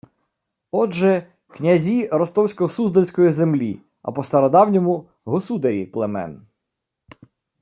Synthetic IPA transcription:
ɔʒɛ | knʲɐzʲiɾɔst̪ɔwsʲkɔɦɔsuzd̪ɐlʲsʲkɔjizemlʲḭ | ɐ̰pɔst̪ɐɾɔd̪ɑwnʲɔmʊ | ɦɔsud̪ɐɾʲiplˠemɛ̰n

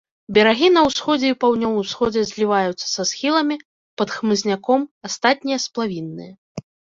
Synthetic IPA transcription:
bʲɛɾaɣʲinɐwsxɔd͡zʲɛipawnʲɔvɨsxɔd͡zʲɛzʲlʲivajut̪sːɐ̥sasxʲilˠɐmʲi | pɐt̪xmɨzʲnʲakɔmast̪at̪̚ʲnʲijɐsplˠavʲinːɨ̰jɐ

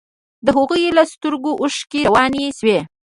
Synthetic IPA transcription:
d̪əɦʊɣujelast̪əɾɡoʔuʃkeɾawɑnieswe

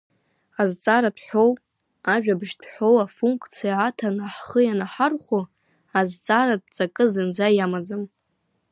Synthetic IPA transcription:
azt͡sʼaɾadʰħʷow | aʒᶣabʒdʰħowafuŋkʼt͡sʰijaːtʰanaħχəjanaħarχʷu | azt͡sʼaɾad̚t͡sʼakʼɨzɨnd͡zajamad͡zɨm

